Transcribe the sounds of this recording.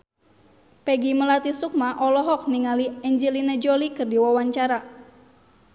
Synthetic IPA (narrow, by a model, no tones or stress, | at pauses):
pɛɡiməlat̪isuk̚maʔɔlɔɦɔk̚niŋaliɛɲd͡ʒilinɛd͡ʒolikɨrdiwawaɲt͡ʃaɾa